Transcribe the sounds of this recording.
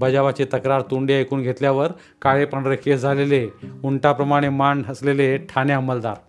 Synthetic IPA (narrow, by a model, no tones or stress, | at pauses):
bəd͡ʑaʋat͡ɕet̪əkɾaɾt̪uɳɖjaekuːnɡʱet̪ljaʋəɾ | kaɭepəɳɾekʰed͡zʱaleleuɳʈapɾəmaɽ̃emaɳɖɦəsleleʈʰanjaməld̪aɾ